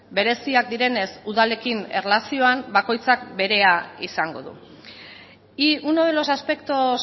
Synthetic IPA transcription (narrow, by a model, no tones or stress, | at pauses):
be̞ɾe̞siak̚d̪iɾe̞ne̞suðale̞kine̞rlasio̞ambako̞jt͡sak̚be̞ɾe̞aisaŋɡo̞̰ðṵ | iunoðelo̞saspe̞k̚t̪o̞s